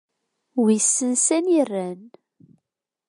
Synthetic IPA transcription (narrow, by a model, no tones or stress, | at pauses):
wisːənsænirːæn